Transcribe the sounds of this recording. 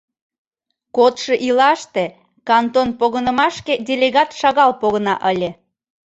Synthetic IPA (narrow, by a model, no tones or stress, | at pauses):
kot̪ʃeʔilɑʃt̪e | kɑnt̪onpoɣənəmɑʃkedʲelʲeɣɑt̪ʃɑɣɑlpoɣənɑ̰ʔəlʲe